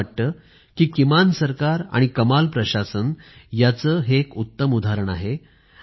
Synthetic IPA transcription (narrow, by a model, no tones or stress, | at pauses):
əʈ̚t̪əː | kiːkimansəɾkaɾa̰ɽ̃ikəmalpɾəɕasənjat͡səːɦekut̪ːəmud̪ʱaɾəɳa̰ɦe